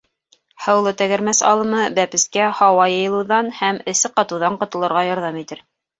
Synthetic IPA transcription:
hɤ̆wlˠɤt̪æɡæ̆ɾmæsɑ̰lˠɤ̆mɤbæpɘ̆skæhɑwɑjɤ̆jɤ̆lˠɤ̆wðɑnhæmɘ̆sɘqɑt̪ɤ̆wðɑɴqŏt̪ɤ̆lˠɤ̆ɾʁɑjɑɾðɑmit̪ɘɾ

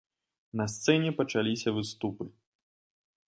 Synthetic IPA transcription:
nɐst̪sɛnʲɛpɐt͡ʂalʲisʲɐvɨst̪upɨ

